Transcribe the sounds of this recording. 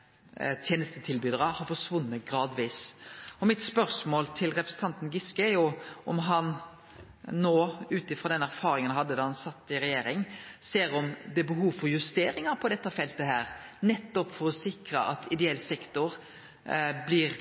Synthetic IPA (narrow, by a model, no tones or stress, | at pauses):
t̪ʰjeːnəst̪ət̪ʰɪlbyːd̪əɾɑhɑɾfɔʂʋʊnːəɡɾɑːd̪ʋiːsɔmɪt̪spœɾsmoːlt̪ʰɪlɾɛpɾəsn̩t̪ʰɑnt̪n̩ɡɪskəæjʊʔɔmɦɑn | noːʉːt̪ɪfɾɔːd̪ɛnæɾfɑːɾɪŋənhɑd̪ːəd̪ɑhɑnsɑt̪ːɪɾɛjeːɾɪŋseːɾɔmd̪ɛbəɦuːʋfɔɾjʉst̪eːɾɪŋɑpʰɔd̪ɛt̪ːəfɛlt̪əɦæːɾnɛt̪ːɔpfɔɾɔsɪkɾəʔɑt̪ɪd̪ɛɛlːsɛkt̪ʊɾ | blɪɾ